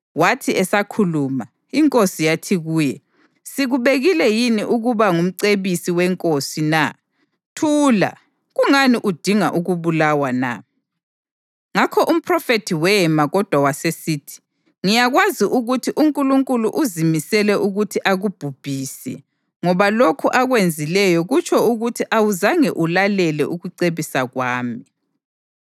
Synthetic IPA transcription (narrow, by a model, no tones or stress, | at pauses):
watʰiɛsakʰuluma | iŋkʼosijatʰiɣuːjɛ | siɣuβeɣilɛjiniʔuɣuβaŋum̩ǀeβisiwɛŋkʼosina | tʰuːla̰ | ɣuŋaniʔud̥ʱiŋaʔuɣuβulawana̰ | ŋakʰɔʔum̩pʰrɔfetʰiwɛmaɣɔd̥ʱwawasesiːtʰi̥ | ŋijaɣwaziʔuɣutʰiʔuŋkʼuluŋkʼuluʔuzimisɛlɛʔuɣutʰiʔaɣub̥ʱub̥ʱisɛ̰ | ŋɔβalokʰuʔaɣwend͡zʱilɛjɔɣut͡ʃʰɔuɣutʰiʔawuzaŋɛʔulalɛlɛ̰ʔuɣuǀeβisaɣwaːmi